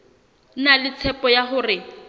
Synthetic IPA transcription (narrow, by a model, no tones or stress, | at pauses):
nalɪt͡sʰɛpɔjaɦʊrɪ